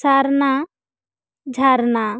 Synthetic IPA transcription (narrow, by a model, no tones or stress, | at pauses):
saɾna | d͡ʒʱaɾna